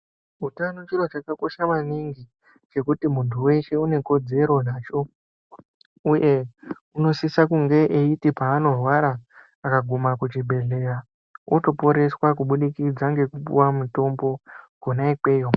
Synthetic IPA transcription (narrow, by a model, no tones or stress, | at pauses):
utanot͡ʃiro̞t͡ʃakako̞ʃamaniŋɡi | t͡ʃe̞kutimuntʰuwe̞ʃe̞une̞ko̞d͡ze̞ɾo̞naːt͡ʃo̞ | uje̞ | uno̞sisakuŋɡe̞ʔeitipaːno̞rwaɾaː | kaɡʱumakut͡ʃibʱe̞ɮe̞ra | ʔuto̞po̞ɾe̞swakuɓuɗikid͡zaŋɡe̞kupṵwamuto̞mbo̞ɡ̥ʱonaikwe̞ːjo